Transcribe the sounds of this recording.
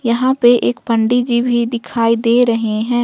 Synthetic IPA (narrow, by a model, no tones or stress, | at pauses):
jɐɦãpeʔeːkpɐ̃ɳɖid͡ʒibʱid̪ɪkʰaːid̪eːɾɐɦeɦɛ̃ː